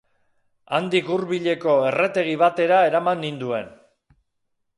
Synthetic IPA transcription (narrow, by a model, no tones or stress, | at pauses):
a̰nd̪ikuɾβiʎe̞ko̞e̞re̞t̪e̞ɣ̞iβat̪e̞ɾae̞ɾamanːind̪ue̞n